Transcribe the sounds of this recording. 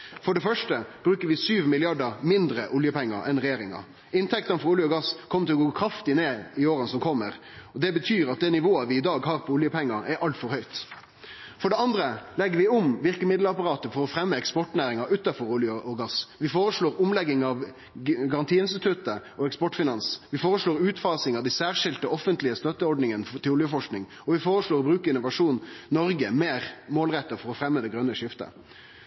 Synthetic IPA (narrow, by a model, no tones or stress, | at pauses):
fɔɖɛfœʂʈəb̥ɾʉːkəɾʋɪsyːʋmɪlɪɑɖəɾmɪnd̪ɾəʔʊljəpʰɛŋːɑ̰ɾɛnɾɛjeːɾɪŋɑ̰ | ɪnt̪ʰɛk̚t̪ənfɔɾʊljəɔɡɑskʰɔmːət̪ɪlɔɡoːkʰɾɑft̪ɪneːɪoːɾənsɔmkʰɔmːəɾ | ɔd̪ɛbət̪ʰyːɾɑt̪̚d̪ɛnɪʋoːəʋɪːd̪ɑːɡɦɑːɾpʰɔʊljəpʰɛŋːɑʔɛɾɑlt̪fɔɾhœʏt̪ | fɔɖɛɑnd̪ɾəlɛɡːəɾʋɪʊmʋɪʁkəmɪd̪lɑpɑʁɑːt̪əfɔɾɔfɾɛmːəɛkspɔʈnæːɾɪŋɑʔʉːt̪ːɑfɔɾʊljəʔɔɡɑsʋɪfoːɾəʂɭoːɾʊmlɛɡːɪŋɑʋ | ɡɑʁɑnt̪ʰiːɪnst̪ɪt̪ʰʉt̪əʔɔɛkspɔʈfɪnɑnsʋɪfoːʁəʂɭoːɾʉːt̪fɑːsɪŋɑd̪æɪsæːʁʂɪlt̪əʔɔfənt̪lɪəst̪œt̪ːəɔɖnɪŋənt̪ʰɪlʊljəfɔʂknɪŋ | ɔʋɪfoːɾəʂɭoːʁbɾʉːkəɪnʊʋɑʂuːnnɔɾɡəmeːɾmoːlʁɛt̪ːəfɔɾɔfɾɛmːəd̪ɛɡɾœnːəʂɪft̪ə̰